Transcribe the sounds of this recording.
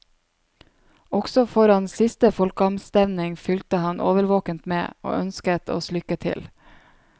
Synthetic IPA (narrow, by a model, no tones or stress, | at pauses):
ɔksɔfɔɾɑnssɪst̪əfɔlkəɑmst̪ɛʋnɪŋfʏlt̪əhɑnʔoːʋəɾʋoːkənt̪mḛːo̰ːʔœnskət̪ʰo̰ːslʏkət̪ʰɪ̰l